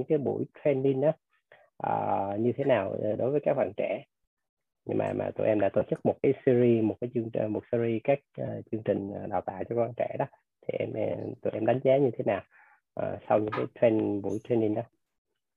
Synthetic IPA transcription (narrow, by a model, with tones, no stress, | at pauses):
ɨ˧˥ŋkaː˨˦jɓṵ˧˩jt̪ʰɹɛ˧nːi˧nɗɔ˨˦ | ʔəː˨˩ɲɨ˧t̪ʰe˨˦naː˨˩wɗo˨˦jvə˨˦kaː˦˥k̚ɓa̰ː˧˨nt͡ɕɛ˧˩ | ɲɨ̰˧ŋma̰ː˨˩ma̰ː˨˩t̪ṵ˧˩˨ʔɛ˧mɗa̰ː˧˥t̪o̰˧˩t͡ɕɨ˦˥k̚mo˨˩t̚kaː˨˦jsi˧zi˧mo˨˩t̚kaː˨˦t͡ɕɨ˧əŋ˨mo˨˩t̚si˧ɾi˧kaː˦˥k̚ʔəː˨˩t͡ɕɨ˧əŋt͡ɕï˨˩ŋ̟ʔə˨˩ɗaː˨˩wt̪a̰ː˧˨wt͡ɕɔ˧kwa˧nt͡ɕɛ˧˩ɗɔ˨˦ | t̪ʰi˨˩ʔɛ˧m˧t̪ṵ˧˩jʔɛ˧mɗa˨˦ŋ̟zaː˨˦ɲɨ˧t̪ʰe˨˦naː˨˩w | ʔəː˨˩sa˧wɲɨ̰˧˥ŋkaː˨˦jt̪ʰɹɛ˧nɓu˧˩jt̪ʰɹɛ˧ni˧nɗɔː˨˦